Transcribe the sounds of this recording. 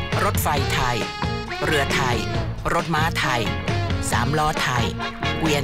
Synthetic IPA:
ɾo˦˥t̪̚fa˧jt̪ʰa˧˩j | ɾɯ˧ɐt̪ʰa˧˩jɾo˦˥t̪̚maː˦˥t̪ʰa˧˩jsaː˩˦mlɔː˦˥t̪ʰa˧˩jwi˧ə

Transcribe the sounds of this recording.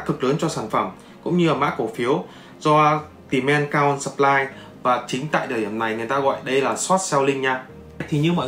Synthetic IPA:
k̪ʰːɨ˨˩k̚lə˨˦nt͡ɕɔ˧saː˧˩nfə˧˩m | kʊ̰˧˥ŋ͡mɲɨ˧aː˨˩ma̰ː˧˥ko˧˩fi˨˦əw | zɔ˧ | t̪i˨˩mɛ˧nkaː˧ɔ˧nsə˨˩p̚laː˧j | vaː˨˩t͡ɕï˨˦ŋ̟t̪a̰ː˧˨jɗ̪əː˨˩ɗi˧˩əmna˨˩jŋɨ˨˩əjt̪aː˧ɣɔ̰˧˨jɗə˧jlaː˨˩swɔ˦˥t̚sɛ˧wlï˧ŋɲaː˧ | t̪ʰi˨˩ɲɨ˧ma̰˧˨

